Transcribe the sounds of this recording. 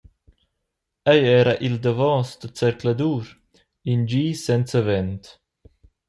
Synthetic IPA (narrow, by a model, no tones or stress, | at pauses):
ɛjɛːɾaʔild̪əvɔːsd̪ət͡sɛɾklad̪uːɾ | ind͡ʒiːsɛnt͡səvɛnt̪